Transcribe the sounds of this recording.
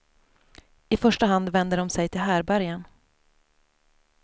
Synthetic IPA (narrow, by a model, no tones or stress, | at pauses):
ɪfœʂʈaɦand̪vɛnd̪əɖɔmsɛjt̪ʰɪlɦæːɾbæɾjən